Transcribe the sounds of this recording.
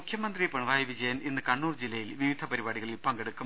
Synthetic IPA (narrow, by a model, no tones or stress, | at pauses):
ukʰjɐmɐnd̪ripɐɳʋaːjɐʋid͡ʑɐjɐnenːɨkɐɳːuːrd͡ʑilːɐjilʋiʋid̪ʱɐpɐɾibaːɽiɣɐɭilpɐŋɡeɽukːum